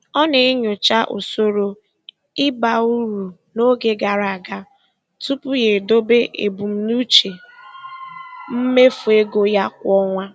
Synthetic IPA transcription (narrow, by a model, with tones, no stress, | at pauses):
ɔ˦ne˨e˦ɲo˨t͡ʃa˦ʔo̰˨so˦ɾo˦ | ɪ˦ba˨u˦ɾu˨no˦ɡe˨ɡa˨ɾa˨ɡa˦ | tu˦pʊ˦je˨do˦be˦ʔḛ˨bu˨m̩˦nu˦t͡ʃe˨ | m̩˦me˦fu˨e˦ɡo˦ja˦kʷɔ˦ŋʷa˦